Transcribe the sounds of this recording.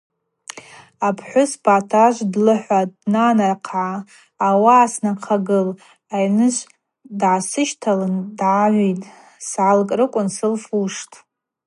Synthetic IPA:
apʰħʷʊspʼatʰaʒʷdlɨħʷadnaːnarqʰʕaː | waːsnaqʰaɡɨl | ajnɨʒʷ | dʕasɨʃtʰalɨndʕaʕʷitʼ | sʕalkʼrɨkʷʼʊnsɨlfuʂtʰʼ

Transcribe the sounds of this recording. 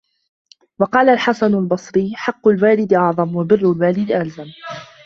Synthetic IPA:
wɑqɑːlalħasanalbɑsˤɾiːħɑqːʊlwaːlɪd̪ɪʔɑʕðˤɑmwabɪrːʊlwaːlɪd̪ʔalzam

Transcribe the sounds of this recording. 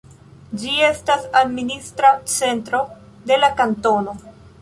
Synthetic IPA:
d͡ʒie̞stasadministɾat͡se̞ntɾo̞ | de̞lakanto̞no̞

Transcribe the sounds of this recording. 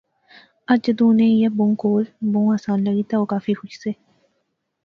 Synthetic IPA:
ɐd͡ʒəd̪ũːnẽjɐbõːkoːlbõːaːsaːnləɡiːt̪aoːkaːfiːxʊʃseː

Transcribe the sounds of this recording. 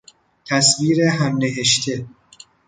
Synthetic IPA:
t̪ʰæsviːɾeɦæmneɦeʃt̪ʰe̞

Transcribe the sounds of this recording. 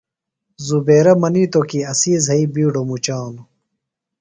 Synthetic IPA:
zubeːɾɐmɐniːt̪okiɐsiːzʱɐibiːɖomut͡ɕaːnu

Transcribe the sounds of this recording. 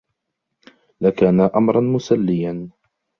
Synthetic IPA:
lakaːnaʔamɾˤɑnmʊsalːɪjan

